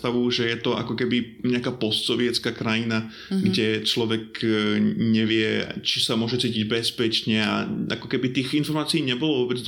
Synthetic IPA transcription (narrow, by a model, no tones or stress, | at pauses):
t̪aʋuʒɛjɛt̪ɔʔa̰kɔkɛbiɲɛakaːpɔst̪sɔʋɪɛt͡skakɾajina | ɡɟɛt͡ʃlɔʋɛk | ɲɛʋɪɛt͡ʃisamʊɔʒɛt͡siːciɟbɛspɛt͡ʃɲɛa̰a̰kɔkɛbit̪iːɣinfɔɾmaːt͡siiːɲɛbɔlɔvɔːbɛd͡zd̪